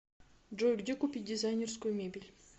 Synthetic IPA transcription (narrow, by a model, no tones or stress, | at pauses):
d͡ʒojʲɡd̪ʲekupʲidʲɪzajnʲerskojmebʲilʲ